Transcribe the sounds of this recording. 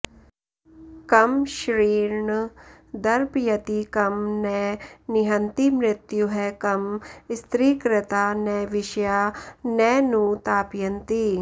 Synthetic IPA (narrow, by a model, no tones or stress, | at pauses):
kɐmʃɾiːɾɳəd̪ɐɾbjɐt̪ikɐmnɛːnɪɦɐnt̪imɾɪt̪juɦɛːkɐmst̪ɾiːkɾɪt̪aːnɛːʋɪʃjaːnɛːnũt̪aːpjɐnt̪i